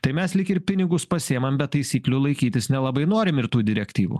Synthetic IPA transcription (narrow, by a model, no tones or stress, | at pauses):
t̪ɐɪmʲɛslʲɪkɪɾpʲɪnʲɪɡʊspɐsʲiɛmɐmbʲɛt̪ːɐɪsʲiːklʲulˠɐɪkʲiːt̪ʲɪsnʲɛlˠɐbɐɪnoːɾʲɪmɪɾt̪uːd̪ʲɪɾʲɛkt̪ʲiːʋṵː